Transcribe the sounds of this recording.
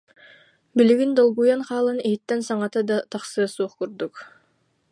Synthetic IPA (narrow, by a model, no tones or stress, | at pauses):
biliɡind̪ɔlˠɡujanχɑːlˠɯniɦit̪ːɛnsaŋat̪ad̪at̪ɑχsɯɐsuːχkuɾd̪uk